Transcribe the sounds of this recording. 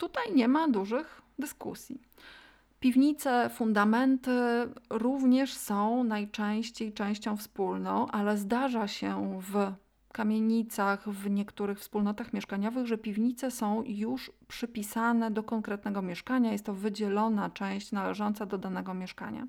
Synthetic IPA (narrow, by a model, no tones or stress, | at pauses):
t̪ut̪ajɲɛmad̪uʐɘxd̪ɘskṵsʲji | pʲivɲit̪sɛfund̪amɛnt̪ɘɾuvɲɛʂsɔ̃w̃najt͡ʂɛ̃w̃ɕt͡ɕejt͡ʂɛ̃w̃ɕt͡ɕɔ̃w̃fspulnɔ̃w̃ʔalɛzd̪aʐaɕɛv | kamʲjeɲit̪saxvɲɛkt̪uɾɘxfspulnɔt̪axmʲjɛʂkaɲɔvɘɣʐɛpʲivɲit̪sɛsɔ̃w̃juʂpʂɘpʲisanɛd̪ɔkɔŋkɾɛt̪nɛɡɔmʲjɛʂkaɲajɛst̪ːɔvɘd͡ʑɛlɔnat͡ʂɛ̃w̃ɕt͡ɕnalɛʐɔnt̪sad̪ɔd̪anɛɡɔmʲjɛʂka̰ɲa̰